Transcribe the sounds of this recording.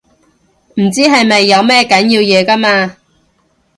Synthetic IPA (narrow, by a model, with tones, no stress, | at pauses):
m̩˨˩t͡siː˥ɦɐ˨jmɐ˨jːɐ˨˧wmɛː˥kɐ˨˥njiː˧wjɛː˨˧kɐ˥maː˧